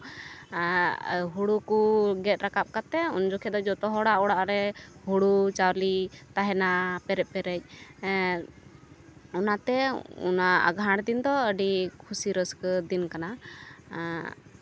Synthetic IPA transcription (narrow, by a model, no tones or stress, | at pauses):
ɦuɽukuɡɛt̪̚ɾakap̚kat̪ɛund͡ʒɔkʰɛd̪ɔd͡ʒɔt̪ɔɦɔɽaʔɔɽaʔɾɛhuɽut͡ʃawɾlit̪aɦɛnapɛɾɛʔ̚pɛɾɛc̚ | ɔnat̪ɛṵnaa̰ɡʱãɽd̪ind̪ɔəɖikʰusiɾəskəd̪inkana